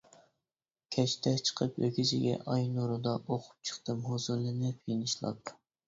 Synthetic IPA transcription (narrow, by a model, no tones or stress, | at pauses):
kʲʰɛt͡ʃt̪ʰɛt͡ʃʰə̥qʰəpwekʲʰizɪɡʲɛ̰ʔɑjnoɾud̪ɑʔoqʰʊ̥p̚t͡ʃʰə̥χt̪ɨmhozulˠɨnɨpʰenɨʃlˠɑ̰p̪